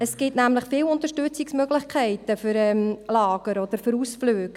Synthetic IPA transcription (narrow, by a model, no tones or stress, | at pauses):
əsɡ̥ɪtnæmləχfɪːwʊntəʃtʉt͡sɪksmøɡlɪχkʰæɪtəfʏɾɛmlɑːɡ̥əɾɔd̥̪əɾfʏɾuːsfløːɡ